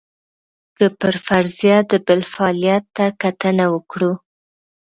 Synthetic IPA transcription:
kəpəɾfaɾzijad̪əbɪlfaɑlijat̪ːakat̪ənawəkɽu

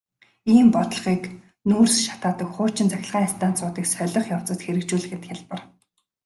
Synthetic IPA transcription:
iːmpɔt̪ɞ̆ɮχiːk | nuːrsʃḁt̪aːt̪ə̆kχʊːt͡ɕɪ̆nt͡saxʲɪ̆ɮʁaːɪst̪ʰaːnt͡sʊːt̪iːksœɮʲɞ̆χjaw̥t͡sə̆t̪xeɾɘ̆kt͡ɕuːɮɘ̆xɘ̆t̪xʲaɮpə̆r

